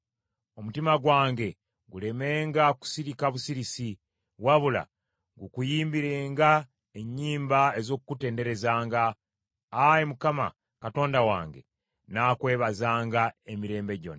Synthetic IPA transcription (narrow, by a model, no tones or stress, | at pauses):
o̞mutimaɡwaːŋɡe̞ | ɡule̞me̞ːŋɡaku̥siɾikaβusiɾisi | waβula̰ | ŋɡukujiːmbiɾe̞ːŋɡa | eɲːiːmbae̞zo̞kukute̞ːnde̞ɾe̞zaːŋɡaː | emukama̰ | kato̞ːndawa̰ːŋɡe̞̰ | naːkwe̞ːβazaːŋɡae̞miɾe̞ːmbe̞ɟo̞̰na